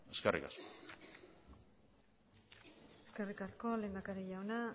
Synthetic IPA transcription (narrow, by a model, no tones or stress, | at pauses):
eskerʔḭkasko̥ | eske̞rikasko̞le̞nɡ̪akaɾeʎawna